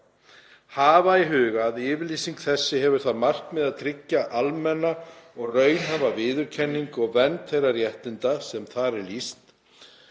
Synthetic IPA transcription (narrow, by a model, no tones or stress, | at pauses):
haːvaiɦʏːɣaðɪːvɪɾlisiŋkθɛsːɪɦɛvʏɾ̥θaðmar̥kmɛðaðt̪ʰɾɪcːaʔalmɛnːaɔɣrœːɥnɦavavɪːðʏɾ̥cʰɛnːiŋkɔɣvɛnt̪θejrarjɛht̪ɪnt̪asɛmθaɾɛɾlist̪